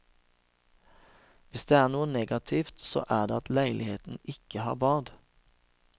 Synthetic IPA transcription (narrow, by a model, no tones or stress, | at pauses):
ʋɪsd̪eːæːʁnuːəneɡɑt̪ʰɪft̪so̰ːʔæːʁd̪eːɑt̪læɪlʔɪheːt̪n̩ɪkəhɑ̰ːʁbɑːʁd̪